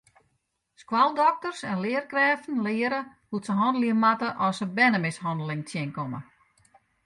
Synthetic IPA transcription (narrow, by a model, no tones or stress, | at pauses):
skwalˠdɔk̚tərsɛnlɪərkrɛːfn̩lɪːəɾə | hutsəɦɔndəliəmatəʔɔsəbɛnəmɪshɔndəlɪŋtjɛnkɔmə̰